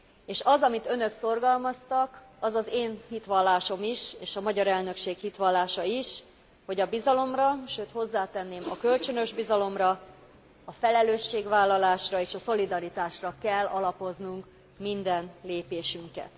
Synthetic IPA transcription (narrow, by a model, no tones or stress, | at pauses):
eːʃɒzɒmit̪ø̞nø̞kso̞rɡɒlmɒst̪ɒk | ɒzɒzeːnhit̪ʋɒlːaːʃo̞miʃeːʃɒmɒɟɒɾɛlnø̞kʃeːkhit̪ʋɒlːaːʃɒiʃ | ho̞ɟɒbizɒlo̞mrɒʃøːt̪ho̞zːaːt̪ɛnːeːmɒkø̞lt͡ʃø̞nø̞ʒbizɒlo̞mrɒ | ɒfɛlɛløːʃːeːɡʋaːlːɒlaːʃrɒeːʃɒso̞lid̪ɒɾit̪aːʃrɒkɛlːɒlɒpo̞znuŋk | mind̪ɛnleːpeːʃyŋkɛ̰t̪